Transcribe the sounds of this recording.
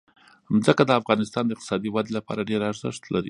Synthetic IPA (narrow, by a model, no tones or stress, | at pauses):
zəkad̪əafɣɑnɪst̪ɑnd̪əɪqt̪ɪ̥sɑd̪iwad̪elapɑ̰ɾaɖeɾaɾzə̰ʂt̪laɾḭ